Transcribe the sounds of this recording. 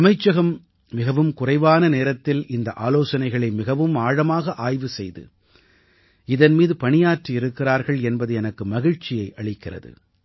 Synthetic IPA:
ɐmɐɪt͡ʃːɐɣɐmː | ɪɣɐʋɯmkʊrɐɪʋaːnɐneːɾɐt̪ːɪlɪnd̪ɐʔaːloːsɐnɐɪɣɐɭɐɪmɪɣɐʋɯmaːɻɐmaːɣɐʔaːjʋɯsɛjðɯ̰ | ɪðɐnmiːðɯpɐɳɪjaːʈriɪɾɯkːɪraːɾɣɐɭɛnbɐðɯɛnɐkːɯmɐɣɪɻt͡ʃɪjɐɪʔɐɭɪkːɪrɐ̰ðɯ̰

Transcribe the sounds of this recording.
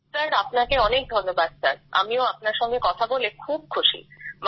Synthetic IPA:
saɾapnakeɔnek̚d̪ʱoɾnobad̪saɾa̰mioapnaɾʃɔŋɡekɔt̪ʰabolekʰub̚kʰuʃḭm

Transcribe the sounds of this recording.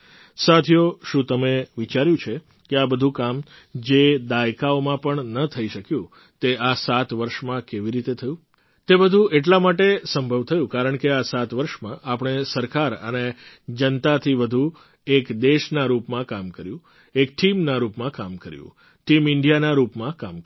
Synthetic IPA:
sat̪ʰijoʃũt̪əmeʋit͡ʃaɾjũt͡ʃʰe | keabəd̪ʱũkam | d͡ʒed̪ajkaomãpəɳnət̪ʰəiʃəkjũ | t̪easat̪ʋəɾʃmãkeʋiɾit̪et̪ʰəjũ | t̪ebəd̪ʱũʔeʈ̬lamaʈesəmbʱəʋt̪ʰəjũkaɾəɳkeasat̪ʋəɾʃmãʔapɳ̃esəɾkaɾə̰ne | d͡ʒənt̪at̪ʰiʋəd̪ʱu | ekd̪eʃnaɾupmãkamkəɾjũ | ek̚ʈimnaɾupmãkamkəɾjṵ̃ | ʈimɪɳɖijanaɾupmãkamk

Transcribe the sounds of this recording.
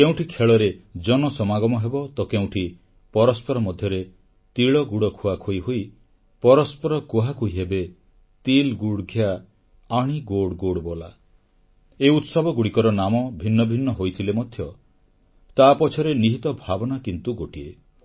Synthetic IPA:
keũʈʰikʰeɭɔɾed͡ʒɔnɔsɔmaɡɔmɔɦebɔt̪ɔkew̃ʈʰi | pɔɾɔspɔɾɔmɔd̪ʱjɔɾe | t̪iɭɔɡuɽɔkʰuakʰojɦoj | pɔɾɔspɔɾɔkuɦakuiɦebe | t̪ilɡuɽɡʱjaː | ɽ̃iɡoɽɡoɽbɔla̰ | eut̪sɔbɔɡuɽikɔɾɔnamɔbʱinːɔbʱinːɔɦojt̪ʰilemɔd̪ʱjɔ | t̪aːpɔt͡ʃʰɔɾeniɦit̪ɔbʱabɔnakint̪uɡoʈie

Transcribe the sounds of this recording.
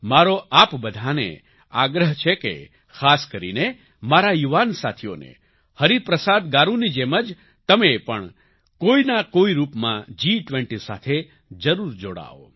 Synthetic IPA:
maɾoʔapbəd̪ʱanḛ | aɡɾəɦt͡ʃʰekḛ | kʰaskəɾḭne | maɾajuʋansat̪ʰio̰nḛ | həɾipɾəsad̪ɡaɾũnid͡ʒeməd͡ʒ | t̪əmepəɳ | koinakoiɾupmã̰d͡ʒiʈʋɛ̃ɳʈisa̰t̪ʰe | d͡ʒəɾuɾd͡ʒoɽa̰o̰

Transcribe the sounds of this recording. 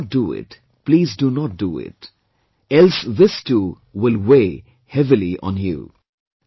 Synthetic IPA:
t̚duɪ̰ʈ | pliːzdunɔt̚duɪ̰t | ɛlsðɪstʰu | wɪlweː | hɛvɪliʔɔ̰̃njṵ

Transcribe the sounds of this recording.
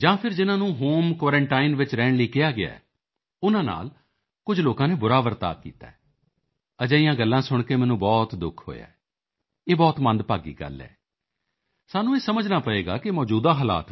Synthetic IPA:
d͡ʒãːpʰɪɾd͡ʒɪnãːnũːɦoːmkʋaːɾɛ̃ɳʈaːɪnʋɪt͡ʃɾɛːɳliːkɪaːɡɪa̰ːɛ̰ː | ʊnãːna̰ːl | kʊd͡ʒʱloːkãːneːbʊɾaːʋəɾt̪a̰ːkːḭːt̪a̰ːɛ | əd͡ʒaːijãːɡəlːãːsʊɳ̃keːmɛ̃ːnũːbɔːt̪d̪ʊkʰɦo̰ːja̰ːɛ | eːbɔːt̪mə̃nd̪paːɡḭːɡə̰lɛ̰ː | saːnũːeːsəməd͡ʒnaːpəeːɡa̰ːkɪmɔːd͡ʒuːd̪aːɦəla̰ːt̪

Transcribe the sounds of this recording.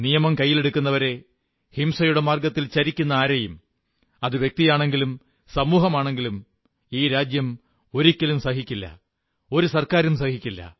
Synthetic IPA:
nijɐmɐmkɐjːile̞ɽukʲːunːɐʋɐɾe̞ | himsɐjuɽe̞maːrɡɐt̪ːilt͡ɕɐɾikʲːunːɐaːɾɐjum | ɐðɨʋjek̚t̪ijaːɳe̞ŋɡilum | sɐmuːɦɐmaːɳe̞ŋɡilum | iːɾaːd͡ʑjɐm | o̞ɾikʲːɐlumsɐɦikʲːilːɐ̰ | o̞ɾusɐrkaːɾumsɐhikʲːilːɐ̰

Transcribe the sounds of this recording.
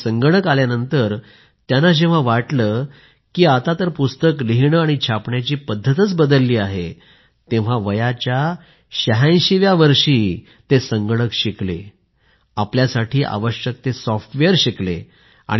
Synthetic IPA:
səŋɡəɽ̃əkaljanənt̪əɾ | t̪janːad͡ʑeʋ̤aʋaʈləː | kiːat̪at̪əɾpust̪əkliɦiɳəaɽ̃it͡ɕʰapɳjat͡ɕiːpəd̪ʱːət̪ət͡sbəd̪əlːiːaɦe | t̪ẽʋ̤aʋəjat͡ɕja | ɕəɦãjɕiʋjaʋəɾʂiː | t̪esəŋɡəɽ̃əkɕiklḛ | apljasaʈiːʔa̰ʋəɕjək̚t̪esɔfʈʋeəɾɕiklḛ | a̰ɽ̃

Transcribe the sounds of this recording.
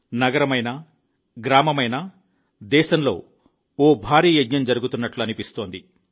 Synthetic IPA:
nɐɡɐɾɐmɐjnɐ | ɡɾaːmɐmɐjnɐ | d̪ɛːʃɐmlo̞̰ː | oːbʱaːɾiːjed̪ɲɐmd͡ʒɐɾuɡut̪unːɐʈluɐnipist̪o̞ːnd̪i

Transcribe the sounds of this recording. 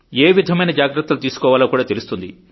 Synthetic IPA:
eːʋid̪ʱɐmɐjnɐd͡ʒaːɡɾɐt̪ːɐlut̪iːsu̥kɔːʋaːloːkuːɽaːt̪elust̪und̪ḭ

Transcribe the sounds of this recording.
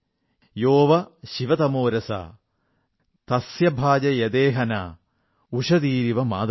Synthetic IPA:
joːʋɐʃiʋɐt̪ɐmoːɾɐsɐ̰ | t̪ɐsjɐbʱaːd͡ʒɐjɐd̪eːɦɐnɐ | uʂɐd̪iːɾiʋɐma̰ːd̪

